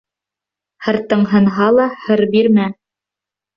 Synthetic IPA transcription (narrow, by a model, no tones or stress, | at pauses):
hɤ̆ɾt̪ɤ̆ɴɦɤ̆nɦɑlˠɑhɤ̆ɾbiɾmæ